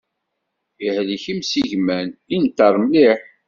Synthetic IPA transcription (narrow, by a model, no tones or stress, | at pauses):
ihliçimsiʝmænint̪ːəɾˤmliħ